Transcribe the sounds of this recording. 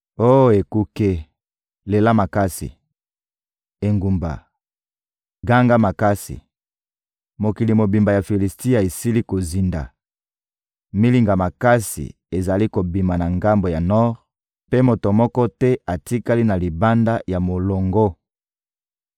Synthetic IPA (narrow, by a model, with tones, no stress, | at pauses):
o˦jo˨e˨ku˦ke˦ | le˨la˦ma˨ka˦sḭ˨ | e˨ŋɡu˨mba̰˨ | ɡa˦ŋɡa˦ma˨ka˦sḭ˨ | mo˨ki˨li˨mo˨bi˨mba˨ja˨fi˨li˨sti˦a˨e˨si˦li˦ko˨zi˨nda̰˨ | mi˦li˨ŋɡa˨ma˨ka˦sḭ˨ | e˨za˨li˦ko˨bi˨ma˨na˨ŋɡa˦mbo˨ja˨nɔ˦ʁ | pe˦mo˨to˨mɔ˦kɔ˦tɛ˦a˨ti˦ka˦li˦na˨li˨ba˦nda˦ja˨mo˨lo˨ŋɡo˦